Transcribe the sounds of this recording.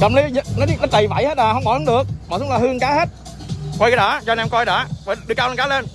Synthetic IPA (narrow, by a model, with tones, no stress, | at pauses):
kə˨˩mli˨˦ɲə˧˨˩nɔ˨˦˨ɗə˦˥ɗə˨˩jva̰˧˩jhe˦˥t̚ɗaː˨˩hə˧wŋ͡mɓɔ̰˨˧˩la˨˦ŋ͡mɗɨ˨˩ək̚mɔ̰˨˩sʊ˨˦ŋ͡mlaː˨˩hɨ˧əŋkaː˨˦he˦˥t̚ | kwjkaː˨˦˩ɗaː˨˦t͡ɕɔ˧nʔɛ˧mkɔ˧jɗaː˨˦waː˨˩ɗɨ˧˩əka˧le˧nkaː˨˦le˧n